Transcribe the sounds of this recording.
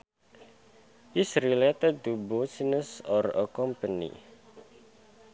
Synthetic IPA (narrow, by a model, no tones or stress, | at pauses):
ʔisɾilet̪əd̪̚t̪ubosinəsɔrə̰kɔmpənḭ